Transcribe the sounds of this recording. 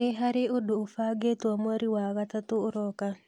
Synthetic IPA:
eɦaɾeodoːfaɡetwamwaɾiwaɣatatoːɾɔka

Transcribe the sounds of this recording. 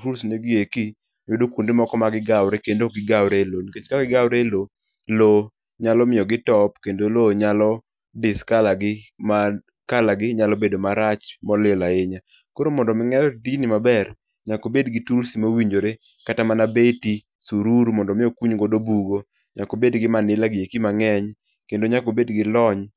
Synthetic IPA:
tulsneɡɪeki | jodokundemɔkɔmaɡɪɡawɾɛkendoɡɪɡawɾeloniket͡ʃkaɡɪɡawɾelo | lo | ɲalɔmɪjɔɡɪtɔpkendoloɲalɔ | dɪskalaɡɪma | kalaɡɪɲalɔbedomaɾat͡ʃmɔlɪlaeɲa | koɾomɔndɔmɪŋɛɾɔdinimabɛr | ɲakobedɡɪtulsimowiɲd͡ʒoɾe | katamanabeti | suɾuɾmɔndɔmɪjɔkuɲɡodobuɡo | ɲakobedɡɪmanɪlaɡɪjekimaŋɛɲ | kendoɲakobedɡɪlɔɲ

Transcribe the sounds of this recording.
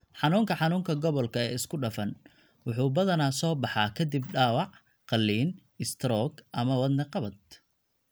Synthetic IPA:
ħɑnuːŋkʰɐħɑnuːŋkʰɐɡɔβɔlkʰɐɛːɪskʰʊɖɐfɐn | wʊħuːbɐðɐnaːsɔːbɑħɑːkʰɐd̪ibɖaːwɑʕ | qɑlːiːn | ɪst̪ʰɾɔɡʔɐmɐwɐd̪nɛqɑβɐd̪̚

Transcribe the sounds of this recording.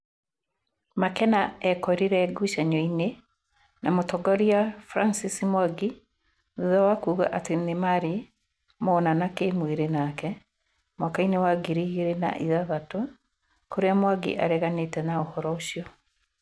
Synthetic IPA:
makɛnaɛkɔɾiɾɛɡuʃaɲɔine | namotɔɡɔɾiafɾansisimwaɡi | ðuðawakuːɣa̰ʔatenemaɾi | mɔnanakemweɾenakɛ | mwakainewaɡiɾiɣiɾena̰ʔiðaβatw | koɾeamwaɡḭʔa̰ɾɛɣanetɛnaohɔɾɔoʃiɔ

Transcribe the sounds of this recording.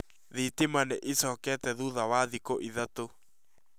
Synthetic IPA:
ðitemaneʔesɔːkɛːtɛðuðawaðikoʔiðato

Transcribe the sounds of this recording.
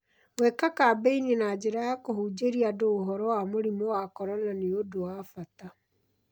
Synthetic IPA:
wekakaːbeininad͡ʑeɾajakohud͡ʑeɾiadoːɦɔɾɔwamoɾimowakɔɾananeodowafata

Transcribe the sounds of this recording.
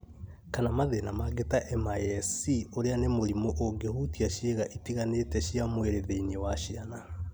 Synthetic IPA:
kanamaðenamaɡetaʔɛmajɛsioɾeanemoɾimoʔoɡehutiaʃeɣaʔitiɣanetɛʃiamweɾeðeinewaʃiana

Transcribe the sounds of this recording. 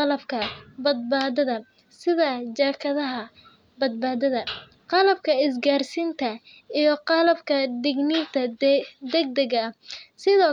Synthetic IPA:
ɑlɐbkʰɐbɐd̪̚baːðɐðɐ | sɪðɐd͡ʒaːkʰɐðɐɦɐ | bɐd̪̚baːðɐðɐ | qɑlɐb̚kʰɐɪsɡaːrsiːnt̪ʰɐ | ijɞqɑlɐbkʰɐd̪ɛɡnint̪ʰɐd̪ɛɡ̚d̪ɐɣɐsɪðɔː

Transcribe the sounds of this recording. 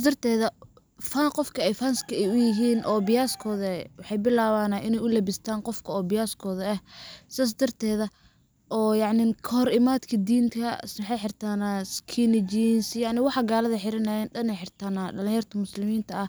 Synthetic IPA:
sasd̪ɐrt̪ʰɛːðɐ | faːnqɔfkʰɐɛjfanskʰɐɛjʊjɪɦiːnʔɔːbɪjaːskʰɔːðɐwɑħɑjbɪlaːβaːnaʔɪnɛjʊlɐbɪst̪ʰaːnqɔfkʰɐɔːbɪjaːskʰɔːðɐɐhsaːs̬d̪ɐrt̪ʰɛːðɐ | ʔɔːjɑʕnɪkʰɔhɔɾɪmaːd̪kʰɐd̪iːnkʰɐsmħɑjħɪrt̪ʰaːnaskʰinɪd͡ʒinsjɑʕnɪwɑħɑɡaːlɐðɐħɪɾɐnaːjɛnɗɐnɛjħɪrt̪ʰaːnaɖɐlɪ̃jɐrt̪ʰɐmʊslɪmiːnt̪ʰɐɐh

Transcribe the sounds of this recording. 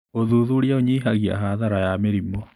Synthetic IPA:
oðuðuɾjaoɲeiɦaɣia̰ɦaðaɾajameɾimɔ

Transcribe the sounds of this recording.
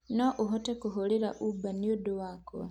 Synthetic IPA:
noʔuɦotekuɦoliɾaʔubanijoduwako̰

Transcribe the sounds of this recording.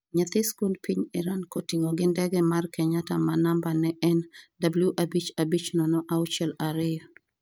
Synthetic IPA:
ɲat̪ɪskundpiɲɪɾankotiŋoɡɪndɛɡɛmarkɛɲatamanambanɛʔɛndabljuʔabit͡ʃabit͡ʃnɔnɔʔaʊt͡ʃɛlaɾɪjɔ

